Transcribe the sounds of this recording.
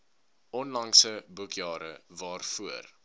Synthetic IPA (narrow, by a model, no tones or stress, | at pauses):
ɔnlɐŋsəbukjɑːɾəvɑːrfuər